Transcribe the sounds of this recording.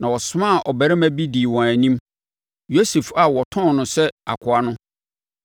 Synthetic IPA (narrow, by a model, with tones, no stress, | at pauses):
nã˨wɔ˨sʊ˦mã˦˨ʔɔ˨bæ˨ɾɛ˦mæ̃˦bi˦di˨wɔ̃˨æ˨nĩ˦m | jo˦se˨fa˨wɔ˨tʰɔ̃˦nʊ̃˨sɛ˦a̰˨kʰʊ˨a˦nʊ̃˦